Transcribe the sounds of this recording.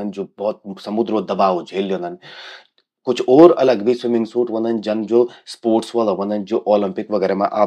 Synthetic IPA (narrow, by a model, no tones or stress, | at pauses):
ənd͡ʒoːbɔːt̪̚sɐmʊd̪ɾoːd̪ɐbaːʋod͡ʒʱeːlːjõːnd̪ən | kʊt͡ʃʰoːɾɐ̰ləɡbʱiswɪmɪ̃ŋɡsuːʈʋɐ̃nd̪ənd͡ʒɐnd͡ʒoːspoːɾʈsʋɐloʋɐ̃nd̪ənd͡ʒoːʔoːlɐmpɪkʋɐɡɛːɾemã̰ʔaː